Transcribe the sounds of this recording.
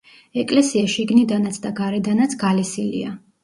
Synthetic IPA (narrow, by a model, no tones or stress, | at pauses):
ɛkʼlɛsiaʃiɡnid̪anat̪sʰd̪aɡaɾɛd̪anat̪sʰɡalisilḭa